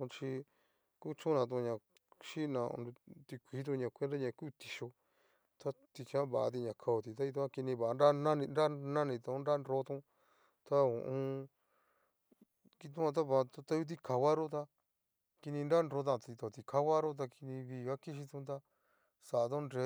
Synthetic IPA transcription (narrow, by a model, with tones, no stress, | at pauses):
ũ˧t͡ʃi˧ | ku˦t͡ʃũ˦nã˧t̪̬ũ˧ɲã˨ | ʃi˦˧nã̰˨˧u˧t̪i˧kʷiː˨˦t̪̬ũ˧ɲã˨kʷe˦nɾa˦ɲã˧˨ku˦˨t̪i˧ʃo˧ | t̪a˦t̪i˧t͡ʃã˦βa˨a̰˧t̪̬i˧ɲã˨kʰa˧o˧t̪i˨t̪a˦i˧t̪̬ũ˦a˦˧ki˧nĩ˧βa˨˧ɾa˦nã˦nĩ˧nɾa˦nã˦nĩ˧t̪ũ˧˦nɾa˦nɾo˧˦t̪ũ˧ | t̪a˦õ̰˨ʔũ˧ | ki˧t̪̬ũ˦ã˧t̪̬a˦βa˧˨˧t̪t̪a˦ju˧t̪̬i˧ka˧wa˦ɾo˦t̪a˧ | ki˧nĩ˧nɾa˦˧nɾo˧˦t̪̬ã˧t̪i˧t̪o˨t̪i˧ka˦wa˦ɾo˦t̪̬a˧ki˧nĩ˧βiː˧˨ɣa˦ki˦ʃ̬i˧t̪ũ˧t̪̬a˧ | sa˨˧t̪̬õ˦nɾe˧˦